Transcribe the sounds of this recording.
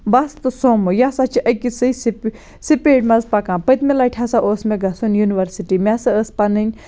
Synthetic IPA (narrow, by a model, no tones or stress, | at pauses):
bast̪ɨsoːmɨjasat͡ʃʰiʔɐkisɨjsip | sipeːʈmɐzpɐkãːpɐt̪melaːʈʰʲasaʔoːsmeɡɐsunjuniʋɐɾsiʈimʲasɐəspɐnɨnʲ